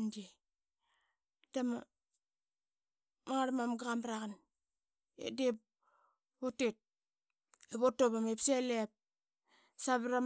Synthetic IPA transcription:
nde | tama | maŋaɾamamɡaɣamɾaɣan | ḛdep | otet̚ | eβotoβamepselep̚ | saβɾa

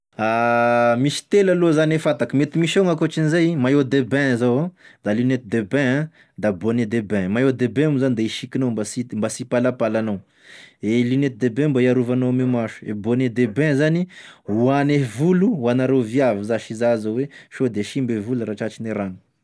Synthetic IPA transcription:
amiʃi̥t̪elalozanefat̪akəmet̪imiʃoŋakot͡ʃinizajimajod̪ebɛ̃zawãd̪alinet̪id̪ebɛ̃ã | d̪aboned̪ebɛ̃majod̪ebɛ̃muzanid̪eiʃikinombasimbasipalapalanow | elinet̪id̪ebɛ̃mbaiaɾuvanoamemaʃu̥ḛboned̪ebɛ̃zaniuanevuluwanaɾeviavizaʃizazaweʃod̪eʃimbevuluɾaʈ͡ʂat͡ʃineɾanu̥

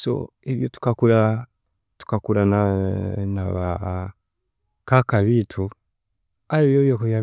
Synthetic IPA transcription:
sɔ̰iβjɔtu̥kakula | tu̥kakuɾananaβa | kakaβitʰu | aiβjɔβjɔkɔβja

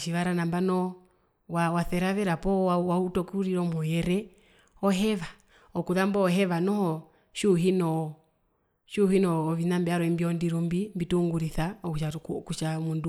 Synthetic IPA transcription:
ʃiʋaɾanambanɔ | wawaθɛɾavɛɾapɔawautɔkuuɾiɾɔmɔjɛɾɛ | ɔɦɛva | ɔkuðambɔːɦɛʋanɔhɔ | ʃuɦinɔ | ʃuhinɔːvinambiaɾɔimbiɔndiɾumbimbituŋɡuɾiθaɔuʃakut͡ʃamundu

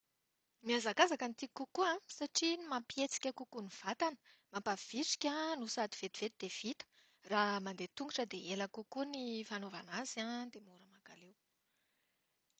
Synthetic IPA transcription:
miazaɡazakanit̪ikːukuãsaʈ͡ʂimapiet͡si̥kʲəkukuniv̥at̪anə̥mampav̥iʈ͡ʂi̥kʲanusad̪i̥v̥et̪i̥v̥et̪id̪̥ev̥it̪ə̥ | ramand̪et̪uŋɡuʈ͡ʂəd̪eelakukunifanovanazand̪emuɾəmakalew

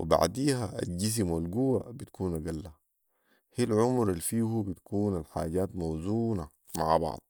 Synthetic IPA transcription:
wʔḭba̰ʕd̪iːhaʔa̰t̪̚ɟis̬imwalɡuwabit̪ḁkʰuːnaɡalːa | hilʕʊmɾalːfiːhubit̪kuːnalħa̰ːɟaːt̪mawzuːna | maʕbɑ̰ʕd̪̥̚ˤ

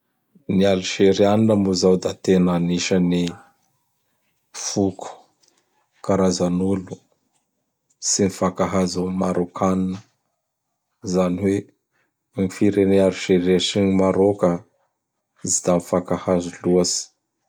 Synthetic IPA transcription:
nialuʃeɾianinəmuzawd̪at̪enaniʃəni | fukʰu̥ | kaɾazanulu | sinifakaɦazumaɾokʰaninə | zaniwe | mifiɾeneaɾuʃeɾeʃinimaɾokə | zid̪amifakahazuluasi̥

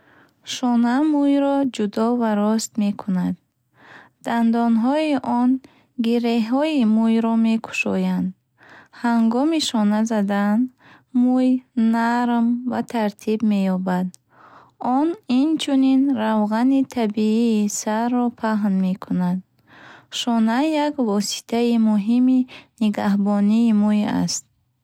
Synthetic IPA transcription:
ʃɔnamujɾɔd͡ʒud̪ɔvaɾɔst̪me̞kʰunad̪̚ | d̪̥and̪ɔnɦɔiʔɔn | ɡiɾeɦɔimujɾɔme̞kʰu̥ʃɔjand̪ | haŋɡɔmiʃɔnazad̪an | mujnaɾmvat̪ʰaɾt̪ʰibme̞jɔbad̪ | ɔnint͡ʃʰuninɾawʁanit̪ʰabiiːsarːɔpʰaɦnme̞kʰunad̪ | ʃɔnajakvɔsi̥t̪ʰaimuɦiminiɡaɦbɔniːmuja̰st̪̚

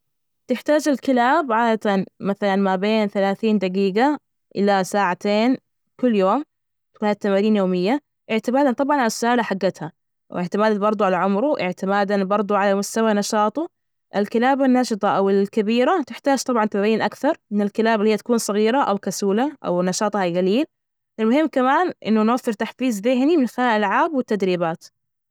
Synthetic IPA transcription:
t̪ɪħt̪aːd͡ʒɪlkɪlaːbʕaːd̪at̪anmaθalanmabeːnθalaːθiːnd̪aɡiːɡa | ʔɪ̰lasaːʕat̪eːn | kʊlːjoːm | t̪akuːnhat̪ːamaːɾiːnjoːmɪjːa | ʔɪʕt̪ɪmaːd̪ant̪ˤɑbʕɑnʕalasːʊʔaːlaħaɡːat̪ha | wɪʕt̪ɪmaːd̪anbɑɾˤd̪ˤʊʕalaʕʊmɾʊʔɪʕt̪ɪmaːd̪anbɑɾˤd̪ˤuʕalamʊst̪awanɑʃɑːt̪ˤu | ʔɪlkɪlaːbanːɑʃɨt̪ˤɑʔawɪlkabiːɾat̪ɪħt̪aːd͡ʒt̪ˤɑbʕɑnt̪amaiːnʔakθɑɾˤɪnɪlkɪlaːbɪlːhiːt̪ḁkuːnsˤɨɣiːɾaʔawkasuːlaʔa̰wnɑʃɑːt̪ˤhajɣaliːl | ʔɪlmʊhɪmːkamaːnʔɪ̰nːʊnwafːɪɾt̪aħfiːzðɪɦnimɪnxɪlaːʔalʕaːbwɪt̪ːad̪ɾiːbaːt̪

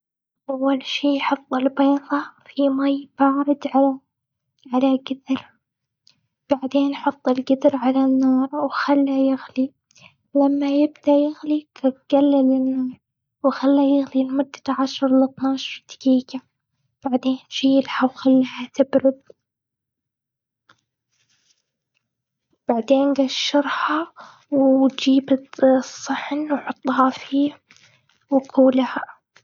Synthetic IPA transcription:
ʔawːalʃiːħɑt̪ˤːɪlbeːðˤɑfimajb̥ɑːɾˤɪd̪ʕala | ʕalaɡɪd̪ɾ | b̥aʕd̪eːnħɑt̪ˤːɪlɡɪd̪ɾʕalanːɑːɾˤwxalːajɪɣli | lamːajɪbd̪aʔjɪɣlikabɡ̥alːɪlɪnːɑːɾˤ | wxalːajɪɣlilmʊd̪̥ːaʕaʃɑɾˤlɨt̪ˤnɑːʃɾt̪ḁkiːka | b̥aʕd̪eːnʃijɪlħawxalːihat̪ɪbɾʊd̪̚ | b̥aʕd̪eːnɡaʃːɪɾha | wd͡ʒiːbsˤːɨħnwħʊt̪ˤːɦɑfiː | wkʰuːlaha

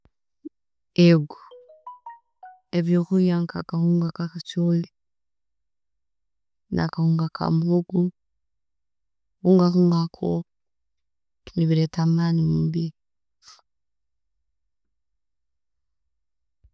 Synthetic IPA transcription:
eɡu | eβjokujaŋkakahuːŋɡakakat͡ʃoli | na̰kahuːŋɡakʰa̰muhuɡu | ɣuŋɡakuŋɡakʰo | niβiɾetamaniubi

